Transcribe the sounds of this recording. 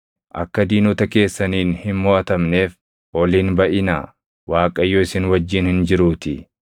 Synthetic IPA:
ʔɐkːɐd̪iːnʊt̪ɐke̞ːsːɐniːnhɪnmɔːʔɐt̪ɐmne̞ːf | ɔliːnbɐʔɪna̰ː | waːkʼɐjːoːɪsɪnwɐd͡ʒːɪːnhɪnd͡ʒɪɾuːt̪ɪ

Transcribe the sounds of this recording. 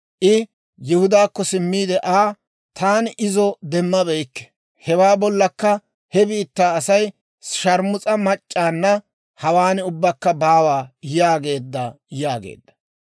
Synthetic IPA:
ʔɪ | jɪhʊd̪aːkːɔsɪmːiːd̪ɛʔaː | t̪aːnʔɪzɔd̪ɛmːɐbɛjkːɛ̥ | hɛwaːbɔlːɐkːɐ | hɛbiːt̪ːaːsɐj | ʃɐɾmʊt͡sʼɐmɐt͡ʃʼːaːnːɐ | hɐwaːnɪʊbːɐkːɐbaːwaːjaːɡe̞ːd̪ːɐ | jaːɡḛːd̪ːɐ̥

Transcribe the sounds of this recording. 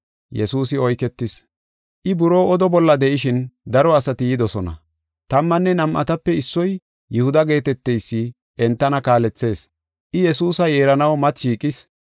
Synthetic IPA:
jɛsuːsɪɔjkɛt̪ːɪs | ʔɪbʊɾo̞ːɔd̪ɔbɔlːɐd̪ɛʔɪʃɪnd̪ɐɾɔɐsɐt̪ɪjɪd̪ɔsɔnɐ̰ | t̪ɐmːɐnːɛnɐmʔɐ̰t̪ɐpːɛɪsːɔj | jʊhʊd̪ɐɡe̞ːt̪ɛt̪ːɛjsːɪ | ʔɛnt̪ːɐnɐkaːlɛt͡sːe̞ːs | ʔɪjɛsuːsɐjeːɾɐnɐwmɐt̪ʃiːkʼɪs

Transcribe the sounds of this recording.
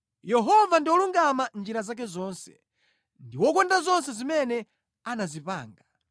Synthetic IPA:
jɛɦɔvandiwɔluŋɡamand͡ʒiɾazak̬ɛzɔːnsɛ̥̰ | ndiwɔk̬ɔndazɔnsɛzimɛnɛ | anazipaːŋɡa

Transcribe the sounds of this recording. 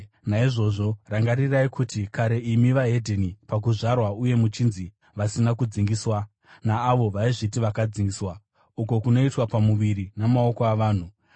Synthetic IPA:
naiʐo̞ʐo̞raŋɡariraikʰutikaɾe̞imiʋaɦe̞dʱenipak̬uʐarwauje̞mut͡ʃinzi | ʋasinakud͡ziŋɡiswa | naːʋo̞ʋaiʐitiʋakad͡ziŋɡiswa | uko̞kuno̞itwapamuʋiɾinamao̞ko̞aʋaːn̤u

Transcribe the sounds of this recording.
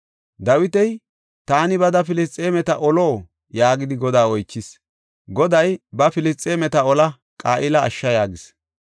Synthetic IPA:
d̪ɐwɪt̪ɛj | t̪aːnɪbɐd̪ɐfɪlɪst͡sʼeːmɛt̪ɐʔɔloː | jaːɡɪd̪ɪɡɔd̪aːɔjt͡ʃːɪs | ɡɔd̪ɐjbɐfɪlɪst͡sʼːeːmɛt̪ɐɔlɐ | kʼaːʔɪlɐ̰ːʃːɐjaːɡɪs

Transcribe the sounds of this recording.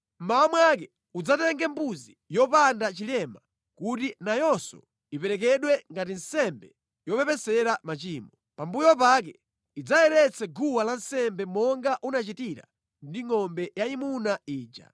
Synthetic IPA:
m̩maɔmwak̬ɛ | ud͡zatɛŋɡɛmbuzijɔpandat͡ʃilɛma | kutinajɔsɔ̰ | ipɛɾɛk̬ɛɗwɛŋɡatin̩sɛmbɛ | jɔpɛpɛsɛɾamat͡ʃiːmɔ | pambujɔp̬ak̬ɛ | id͡zajɛɾɛt͡sʰɛɡuwalan̩sɛmbɛmɔŋɡaʔunat͡ʃitiɾa̰ | ndiŋɔmbɛjaimunaiːd͡ʒa̰

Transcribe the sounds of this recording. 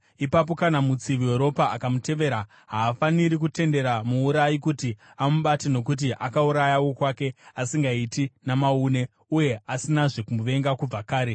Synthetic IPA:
ipap̬o̞kanamut͡siʋieɾo̞paakamute̞ʋe̞ɾa | ɦaːfaniɾik̬ute̞nde̞ɾamuːɾajikuti | amuɓatino̞k̬ut̬iʔakauɾajawo̞kwake̞asiŋɡaitinamauːne̞ | uje̞asinaʐe̞kumuʋe̞ŋɡakub͡vakaːɾe̞

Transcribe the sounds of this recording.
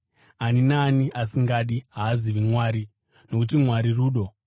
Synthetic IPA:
aninaniʔasiŋɡaɗiɦaːziʋimwaːɾi | no̞kut̬imwaɾiruːɗo̞

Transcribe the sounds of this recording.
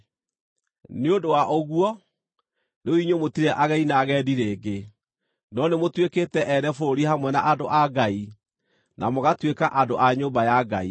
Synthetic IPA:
neondowaʔoɣuɔ | neoiɲomotiɾɛʔaɣainaɣɛdiɾeːɡe | nɔnemotweketɛʔɛɾɛfoɾoɾihamwɛna̰ʔadoʔaɡai | namoɣatwekaʔadoʔaɲoːmbajaɡa̰i

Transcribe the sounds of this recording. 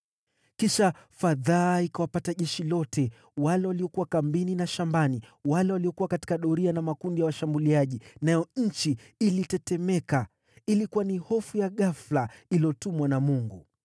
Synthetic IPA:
kiʃafaðaːikawapataʄɛʃilɔtʰɛ | walɛwaliɔkuwakambininaʃambaniwalɛwaliɔkuwakati̥kaɗɔɾianamakundijawaʃambuliaʄinajɔɲ̩t͡ʃi | ilitɛtɛmɛka | ilikuwanihɔfujaɠaflailiɔtumwanamuŋɡu

